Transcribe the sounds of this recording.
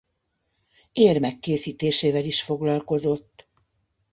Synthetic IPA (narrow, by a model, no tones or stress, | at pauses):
eːrmɛkːeːsiːt̪eːʃeːvɛliʃfo̞ɡlɒlko̞zo̞t̪ː